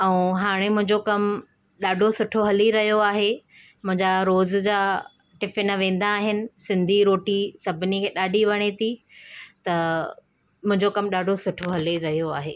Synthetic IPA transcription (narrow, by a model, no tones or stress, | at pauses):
ɛũɦaːɽ̃emʊ̃ɦɪ̃ɲd͡ʑokɐm | ɗaːɖʱosʊʈʰoɦɐliɾɐɦijoaːɦe | mʊ̃ɦɪ̃ɲd͡ʑaɾoːzd͡ʑaː | ʈɪfɪnəʋẽːn̆d̪aːɦɪnɪ̆sɪ̃nd̪ʱiɾoːʈisɐbʱɪnikʰeːɗaːɖʱiʋɐɽ̃et̪ʰit̪ɐ | mʊ̃ɦɪ̃ɲd͡ʑokɐmɗaːɖʱosʊʈʰoɦɐliɾɐɦijoaːɦḛː